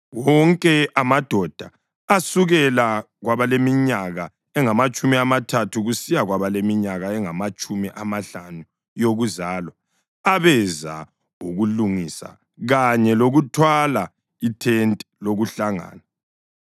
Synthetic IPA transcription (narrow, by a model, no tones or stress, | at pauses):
wɔŋkʼɛʔamad̥ʱɔd̥ʱaː | suɣɛla | ɣwaβalemiɲaɣa | ɛŋamat͡ʃʼumiamatʰatʰuɣusijaɣwaβalemiɲaɣaɛŋamat͡ʃʼumiʔamaɬanu | joɣuzaːlwaː | βɛza̰ | uɣuluŋisa̰ | ɣaɲɛloɣutʰwala | itʰɛntʼɛloɣuɬaŋa̰ːna